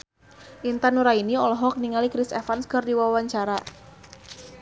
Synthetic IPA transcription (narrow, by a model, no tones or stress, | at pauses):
ʔint̪anuɾainiɔlɔɦɔk̚niŋalikɾisɛfanskərdiwawaɲt͡ʃaɾa